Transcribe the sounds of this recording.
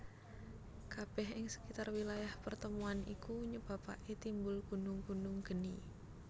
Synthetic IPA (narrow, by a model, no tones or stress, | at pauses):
kab̥ɛɦɪŋsə̥kit̪arwilajahpərt̪əmuanḭkuɲəb̥a̤pa̰ʔet̪imbʊlɡunʊŋɡunʊŋɡ̥ə̤ni